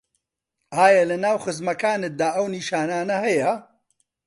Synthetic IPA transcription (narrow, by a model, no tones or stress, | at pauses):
ʔaːjɐlɐnaːwχɨzmɐkaːnɨt̪̚d̪aːʔɐwniːʃaːnaːnɐɦɐjɐ